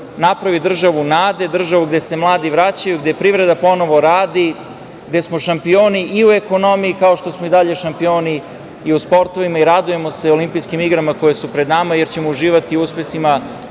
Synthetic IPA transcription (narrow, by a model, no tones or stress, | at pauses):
napɾaʋid̪r̩ʒaʋunaːd̪e̞d̪r̩ʒaʋuɡd̪e̞se̞mlˠaːd̪iʋɾat͡ɕajuɡd̪e̞pɾiʋɾe̞d̪apo̞no̞ʋo̞ɾaːd̪i | ɡd̪e̞smo̞ʃampioːniʔiue̞ko̞no̞mijikaoʃt̪osmoid̪aʎe̞ʃampioːniː | uspo̞ɾt̪o̞ʋimaiɾad̪uje̞mo̞seolimpijskimiɡɾamako̞je̞supɾed̪namaje̞ɾt͡ɕe̞mouʒiːʋat̪iuspesima